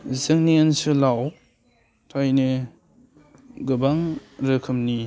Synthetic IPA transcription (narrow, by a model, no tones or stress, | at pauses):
zɯŋniansɯlaw | tʰajne | ɡɯbaŋɾɯkʰɯmni